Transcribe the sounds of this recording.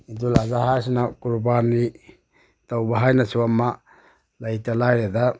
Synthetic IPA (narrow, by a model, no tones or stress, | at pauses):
idulazaɦajsinakuɾubani | tawbaɦajnasuwamːa | lajtalajɾeda